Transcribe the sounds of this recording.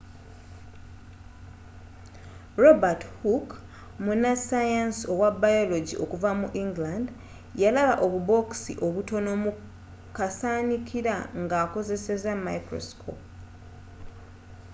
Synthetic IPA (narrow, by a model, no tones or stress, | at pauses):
ɾo̞bathuk | munasajansio̞wabajo̞lo̞ɟiʔo̞kuvamuʔiŋɡland | jalaβaʔo̞βubo̞ksḭʔo̞βuto̞no̞mu | kasaːnikʰiɾaŋɡaːko̞ze̞se̞zamaikɾo̞̰skʰo̞̰p